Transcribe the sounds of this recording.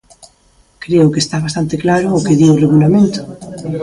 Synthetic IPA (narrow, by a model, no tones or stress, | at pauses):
kɾeʊkest̪aβast̪ant̪eklaɾʊːkeðiworeɣulamẽnt̪ʊ̥